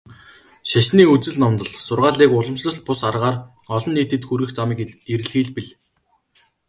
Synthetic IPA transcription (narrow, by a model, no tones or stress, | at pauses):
ʃaʃniːut͡sɘ̆ɮnɔmt̪ɞ̆ɮsʊrʁaːɮiːkʊɮə̆msɮə̆ɬ̚pʊsarʁaːr | ɔɮɞ̆nːiːt̪ɘ̆t̪xuɾɣɘ̆xt͡samiːkeɾɘ̆ɮxiːɮpiɮ